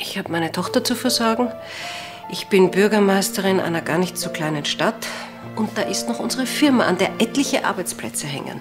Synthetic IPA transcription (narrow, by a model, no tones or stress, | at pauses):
ʔɪçhaːbəmaɪnətʰɔχtɐt͡sufɛɐzɔɐɡŋ̩ | ʔɪçb̥ɪnbʏɐɡɐmaɪstəʁɪnʔa̰ɪnɐɡa̰ːɐnɪçtz̥oːkl̥aɪnənʃtat | ʊnt̚d̥aːʔɪstnɔχʔʊnzəʁ̞əfɪɐmaʔa̰ndeːɐʔɛtlɪçəʔa̰ɐbaɪt͡spl̥ɛt͡səɦɛ̰ŋə̰n